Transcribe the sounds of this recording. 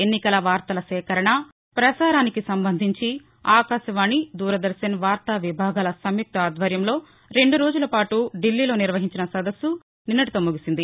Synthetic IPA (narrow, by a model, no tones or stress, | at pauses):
enːikɐlɐʋaːɾt̪ɐlɐsɛːkɐɾɐɳɐ | pɾɐsaːɾaːnikisɐmbɐnd̪ʱiɲt͡ʃi | aːkaːʃɐʋaːnid̪uːɾɐd̪ɐɾʃɐnʋaːɾt̪ɐʋibʱaːɡaːlɐsɐmjuk̚t̪ɐaːd̪ʱʋɐɾjɐmlo̞ː | ɾe̞ɳɖuɾo̞ːd͡ʒulɐpaːʈuɖilːiːlo̞ːniɾʋɐɦiɲt͡ʃinɐsɐd̪ɐsːu | ninːɐʈit̪oːmuɡisind̪i